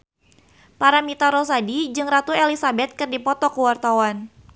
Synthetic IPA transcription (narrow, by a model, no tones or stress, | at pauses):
paɾamit̪aɾɔs̬adid͡ʒɨŋrat̪uelisabɛt̪̚kɨrdipɔt̪ɔkəwart̪awan